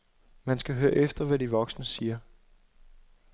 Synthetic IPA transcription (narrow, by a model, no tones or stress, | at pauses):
mænsɡ̥æɦøːɐʔefd̥ɐʋæd̥iʋɒ̽ɡ̥snəsiːɐ